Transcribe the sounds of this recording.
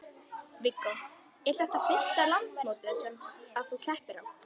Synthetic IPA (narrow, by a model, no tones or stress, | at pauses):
vɪkːo | ɛɾ̥θɛht̪afɪst̪alant̪smoːwt̪ɪðsɛmaðθuk̪ʰɛhpɪɾ̥ha̰n